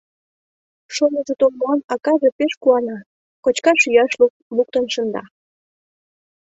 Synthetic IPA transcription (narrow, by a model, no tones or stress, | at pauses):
ʃonəʒet̪olmɑnɑkɑʒepeʃkuɑnɑ | kot͡ɕkɑʃyjɑʃl | luk̚t̪ənʃə̆nd̪ɑ̰